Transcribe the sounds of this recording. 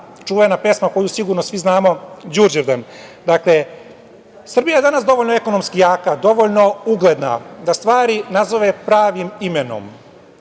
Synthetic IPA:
t͡ʂuʋenape̞smako̞jusiɡuɾnosʋiznaːmo̞d͡ʒuɾd͡ʒeɾd̪an | d̪akle | sr̩bijaje̞d̪anasd̪o̞ʋoʎnoeko̞nomskijaːkad̪o̞ʋoʎno̞uɡle̞d̪na̰d̪ast̪ʋaːɾinazoʋe̞pɾaːʋimimeno̞̰m

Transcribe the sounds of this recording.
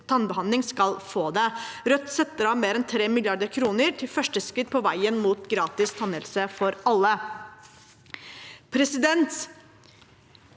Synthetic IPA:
t̪ʰɑnbəɦɑnd̪lɪŋskɑlfoːd̪ɛɾœt̪ːsɛt̪ːəɾɑʋmeːɾɛnt̪ʰɾeːmɪlɪjɑɖ̪əɾkʰɾuːnəɾt̪ʰɪlfœʂʈəskɾɪt̪̚pʰɔʋæɪənmuːt̪ɡɾɑːt̪ɪst̪ʰɑnəlsəfɔɾɑlːə | pʰɾɛsɪd̪ɛnt̪

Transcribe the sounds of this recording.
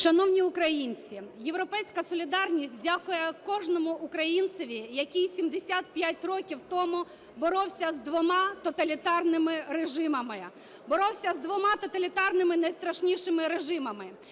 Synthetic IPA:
ʃɐnɔwnʲiʊkɾɐjinʲt͡sʲije̞ʋɾɔpɛjsʲkɐsɔlʲid̪ɑrnʲisʲt̚ʲdʲakʊjɛkɔʒnɔmʊʔʊkɾɐjint̪sɔʋʲijɐkʲijsʲimd̪esʲat̪̚pʲjatʲrɔkʲiwt̪ɔmʊ | bɔɾɔwsʲɐzd̪ʋɔmɑt̪ɔt̪ɐlʲit̪ɑrnɪmɪɾeʒɪmɐmɪ | bɔɾɔwsʲɐzd̪ʋɔmɑt̪ɔt̪ɐlʲit̪ɑrnɪmɪnɐjst̪ɾɐʃnʲiʃɪmɪɾeʒɪmɐmɪ

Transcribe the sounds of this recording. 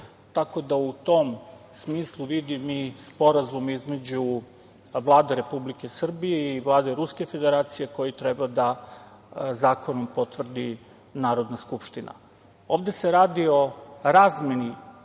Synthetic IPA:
t̪ako̞d̪aut̪o̞m | smiːslˠuʋid̪imispo̞ɾazumizme̞d͡ʑu | ʋlˠaːd̪eɾe̞publike̞sr̩bije̞iʋlˠaːd̪eɾuske̞fe̞d̪e̞ɾaːt̪sije̞ko̞jit̪ɾɛbad̪a | zaːko̞nompot̪ʋr̩d̪i | naːɾo̞d̪naskupʃt̪ina̰ | o̞ːʋd̪ese̞ɾaːd̪io̞ɾaːzmje̞ni

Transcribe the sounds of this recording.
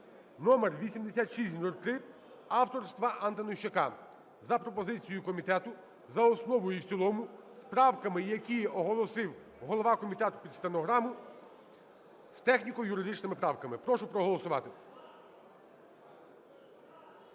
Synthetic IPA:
nɔmerʋʲisʲimd̪esʲat̪ʃisʲt̪ʲnulʲt̪ɾɪ | ɑwt̪ɔɾst̪ʋɐʔɐnt̪ɐnɔʃt͡ʃekɑ | zɐpɾɔpɔzɪt͡sʲijʊkɔmʲit̪ɛt̪ʊ | zɐɔsnɔʋɔjiwt͡sʲilˠɔmʊspɾɑwkɐmɪjɐkʲiɔɦɔlˠɔsɪw | ɦɔlˠɔʋɑkɔmʲit̪ɛt̪ʊ̥pʲid̪st̪enɔɦɾɑmʊ | st̪ɛxnʲikɔjʊɾɪd̪ɪt͡ʃnɪmɪpɾɑwkɐmɪpɾɔʃʊpɾɔɦɔlˠɔsʊʋɑt̪ɪ

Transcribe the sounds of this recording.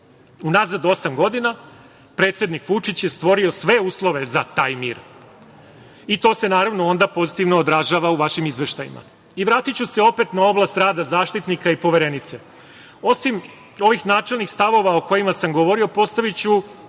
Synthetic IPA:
unazad̪o̞samɡo̞d̪ina | pɾe̞ːt̪sʲe̞d̪nikʋut͡ʂit͡ɕje̞st̪ʋo̞ɾio̞sʋe̞uːslˠo̞ʋe̞zat̪aːjmiːɾ | it̪o̞ːse̞naːɾaʋno̞o̞nd̪apo̞zit̪iʋnoːd̪ɾaʒaːʋauʋaʃimizʋe̞ʃt̪ajḭmʔa̰ | iʋɾaːt̪it͡ɕuseo̞pe̞t̪nao̞blast̪ɾaːd̪azaːʃt̪it̪nikaipo̞ʋeɾe̞nit̪se̞ | o̞sim | o̞ʋixnaːt͡ʂe̞lnixst̪aʋo̞ʋao̞ko̞jimasamɡo̞ʋo̞ɾio̞po̞st̪aʋit͡ɕu

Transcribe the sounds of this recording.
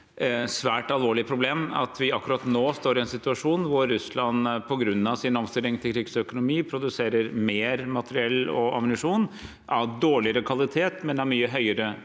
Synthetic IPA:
sʋæːʈɑlʋoːɭɪpʰɾʊbleːmɑ̰t̪ʰʋɪɑkːʉɾɑt̪noːst̪oːɾɪɛnsɪt̪ʉɑʂuːnʋʊɾːʉslɑnpʰɔɡɾʉnːɑʋsɪnɔmst̪ɪlɪŋt̪ʰɪlkʰɾɪɡsœkʊnʊmiːpʰɾʊd̪ʉseːɾəɾmeːɾmɑt̪əɾɪɛlːɔɑ̰mnɪʂuːn | ʔæɖoːɭɪəɾəkʰʋɑlɪt̪ʰeːt̪mɛnæɾmyːəɦœʏəɾə

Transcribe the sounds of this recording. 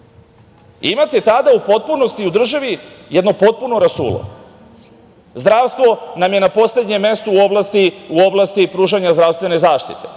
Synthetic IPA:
imat̪e̞t̪ad̪aupo̞t̪̚puno̞st̪iud̪r̩ʒaʋijed̪no̞po̞t̪̚puno̞ɾasṵːlo̰ | zd̪ɾaʋst̪ʋo̞namje̞napo̞sle̞d̪ɲemːe̞st̪uːo̞blˠast̪iuo̞blˠast̪ipɾuːʒaɲazd̪ɾaʋst̪ʋe̞ne̞zaːʃt̪it̪e̞

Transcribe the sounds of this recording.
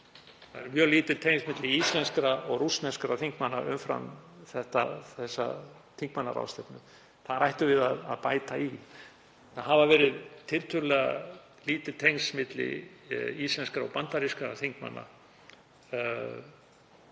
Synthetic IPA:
θa̰ðɛɾmjœːɣliːt̪ɪt̪ʰejŋsmɪt̪lɪislɛnskɾaɔɣrusnɛskɾaθiŋkmanːaʔʏ̰mfɾa̰mθɛht̪aθɛsːa̰ | t̪ʰiŋk̚manːa̰ɾa̰wst̪ɛpnʏ | θaðɾajht̪ʏvɪðaðaðpaːjt̪ai | θaɦavavɛːɾɪðt̪ʰɪlt̪ʰʏɾlɛɣa | liːt̪ɪlt̪ʰejŋsmɪt̪lɪ̰islɛnskɾaɔ̰ɣpant̪aɾiskɾaθiŋkma̰nːa̰

